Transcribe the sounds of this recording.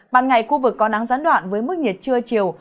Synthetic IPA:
ɓaː˧˨nŋa˨˩jxu˧vɨ˨˩kːɔ˨˦na˨˦ŋzaː˨˦nɗwa̰ː˧˨nvəː˨˦jmɨ˦˥k̚ɲi˨˩ət̚t͡ɕɨ˧ət͡ɕi˨˩əw

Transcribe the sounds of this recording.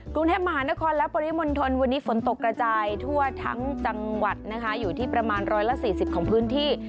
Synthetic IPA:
kɾu˧ŋt̪ʰeː˥˩pma˧ɦaː˩˦na˦˥kʰɔː˧nlɛ˦˥pɔː˧ɾi˦˥mo˧nt̪ʰo˧nwa˧nːiː˦˥fo˩˦nt̪o˨˩kːɾa˧t͡ɕaː˧jt̪ʰu˥˩ɐt̪ʰa̰˦˥ŋt͡ɕa˧ŋwa˨˩t̪̚na˦˥kʰa˦˥juː˨˩t̪ʰiː˥˩pɾa˧maː˧nɾɔː˦˥jla˦˥ʔsiː˨˩si˨˩p̚kʰɔː˩˦ŋpʰɯː˦˥nt̪ʰiː˥˩

